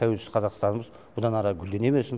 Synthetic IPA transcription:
t̪ʰæwe̞lsɪ̥z̥qɑzɑqst̪ɑnəməz | b̥ʊd̪ɑnɑɾɑɡʲʏld̪e̞ne̞mesɪm

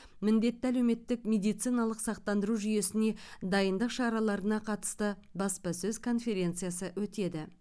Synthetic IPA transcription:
mɪnd̪e̞t̪ːɪælewme̞t̪ːɪkmʲe̞d̪ijt̪sijnɑlˠəqsɑq̚t̪ɑnd̪əɾuʒʏje̞sɪne̞d̪ɑjənd̪əqʃɑɾɑlˠɑɾənɑqʰɑt̪ə̥st̪ə | bɑspɑsɵzkʰo̞nfʲe̞ɾʲe̞nt̪sɨjasəwɵt̪e̞d̪ɪ

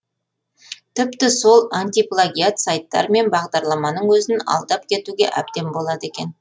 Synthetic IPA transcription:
t̪ʰɪpt̪ɪso̞lˠanʲt̪ijplˠaɡʲijat̪sajt̪ːɑ̰ɾme̞nbɑʁd̪ɑɾlˠɑmɑnəɴwɵzɪnɑ̰lˠd̪ɑp̚kʲʰe̞t̪uɡʲe̞̰ʔæb̚d̪e̞mbo̞lˠɑd̪əe̞kʲe̞n

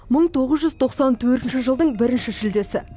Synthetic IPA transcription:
məɴt̪ʰo̞ʁəzʒʏzt̪ʰo̞qsɑnt̪ʰɵɾt̪ɪnʃɪʒəlˠd̪əɴbɪɾɪnʃɪʃɪld̪e̞sɪ

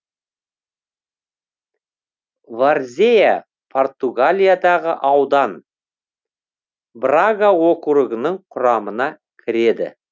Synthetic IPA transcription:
varzʲeja | pʰo̞rt̪uɡalʲijad̪ɑʁəʔɑwd̪ɑn | braɡawokuɾəɡənəɴqʰʊɾɑmənɑ | kʲʰɪɾe̞d̪ɪ̰

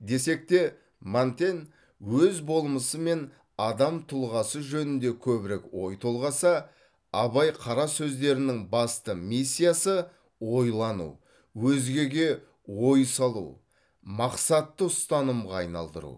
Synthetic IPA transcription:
d̪e̞se̞k̚t̪e̞ | mant̪e̞n | wɵzbo̞lˠəməsəme̞n | ɑd̪ɑmt̪ʰʊlˠʁɑsəʒɵnɪnd̪e̞kʲʰɵbɪɾekwo̞jt̪ʰo̞lˠʁɑsɑ | ɑβɑjqʰɑɾɑsɵzd̪e̞ɾɪnɪŋbɑst̪əmisʲːijasə | wo̞jlˠɑnṵ | wɵzɡʲe̞ɡʲe̞ | wo̞jsɑlˠṵ | mɑqsɑt̪ːəʊst̪ɑnəmʁɑːjnɑ̰lˠd̪ə̰ɾṵ

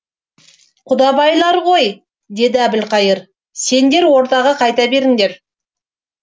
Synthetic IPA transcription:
qʰʊd̪ɑbɑjlˠɑɾʁo̞j | d̪e̞d̪ɪæbɪlqɑjəɾ | se̞nd̪e̞ɾwo̞ɾt̪ɑʁɑqʰɑjt̪ɑbe̞ɾɪŋd̪e̞ɾ

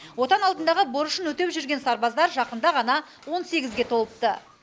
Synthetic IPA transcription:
wo̞t̪ɑnɑlˠd̪ənd̪ɑʁəboɾʊʃənwɵt̪e̞pʒʏɾɡʲe̞nsɑɾbɑzd̪ɑɾʒɑqənd̪ɑʁɑnɑ | wo̞nse̞ɡʲɪzɡʲe̞t̪ʰo̞lˠəp̚t̪ə

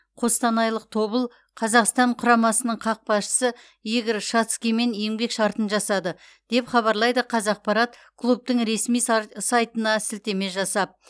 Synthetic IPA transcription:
qʰo̞st̪ɑnɑjlˠəq̚t̪ʰo̞bəlˠ | qʰɑzɑqst̪ɑɴqʰʊɾɑmɑsənəɴqʰɑq̚pɑsʃə̥sə | jeɡʲɪɾʃɑt̪skʲime̞nje̞ŋbe̞kʃɑɾt̪ənʒɑsɑd̪ə | d̪̥e̞pχɑβɑɾlˠɑjd̪əqʰɑzɑq̚pɑɾɑt̪kʰlˠup̚t̪əɴɾe̞smijsɑjt̪ənɑsɪlt̪e̞me̞ʒɑsɑp̚

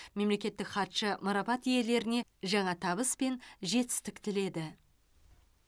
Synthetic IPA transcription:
me̞mle̞kʲe̞t̪ːɪkχɑt̪ʃəmʊɾɑpɑt̪ije̞le̞ɾɪne̞ʒɑɴɑt̪ʰɑβəspe̞nʒe̞t̪ɪ̥st̪ɪkt̪ɪle̞d̪ɪ

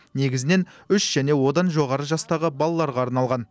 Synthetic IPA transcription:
ne̞ɡʲɪzɪne̞nʏʃʒ̥æne̞wo̞d̪ɑnʒo̞ʁɑɾəʒɑst̪ɑʁəbɑlˠɑlˠɑɾʁɑːɾnɑlˠʁɑn

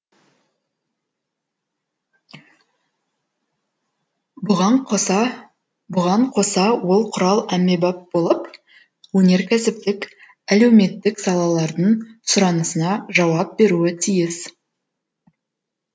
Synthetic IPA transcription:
bʊʁɑɴqʰo̞sɑwo̞lˠqʰʊɾɑlˠæme̞bɑp̚b̥o̞lˠəp | wɵne̞ɾkʲʰæsɪp̚t̪ɪk | ælewme̞t̪ːɪksɑlˠɑlˠɑɾd̪əɴsʊɾɑnəsənɑʒɑwɑp̚be̞ɾuɪt̪ʰijɪs

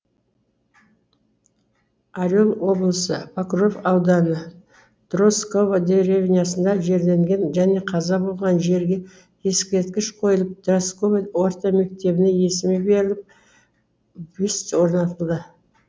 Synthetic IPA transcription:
aɾʲolˠwo̞blˠəsəpʰakro̞vɑwd̪ɑnə | d̪̥ro̞sko̞vad̪eɾevʲnʲijasənd̪ɑʒe̞ɾle̞ŋɡʲe̞nʒæne̞qʰɑzɑbo̞lˠʁɑnʒe̞ɾɡʲe̞ | e̞skʲe̞ɾt̪̚kʲɪʃqʰo̞jəlˠəp̚d̪̥raskovewo̞ɾt̪ɑme̞k̚t̪e̞bɪneje̞sɪmebe̞ɾɪlɪp̚ | byst̪wo̞ɾnɑt̪əlˠd̪ə

